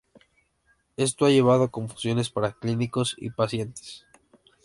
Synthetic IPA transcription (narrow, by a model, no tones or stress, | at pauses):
e̞s̬t̪o̞aʝe̞β̞aðo̞ko̞ɱfu̥sjo̞ne̞spaɾakliniko̞sḭpasje̞nt̪e̥s